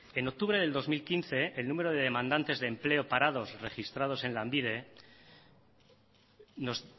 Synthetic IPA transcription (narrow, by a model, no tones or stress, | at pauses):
e̞no̞k̚t̪uβɾe̞ðe̞ld̪o̞zmilkinθe̞ːlnũmeɾoðeðe̞mãnd̪ant̪e̞zðe̞ːmple̞opaɾað̞o̞sre̞xist̪ɾað̞o̞se̞nlambiðe̞ | no̞s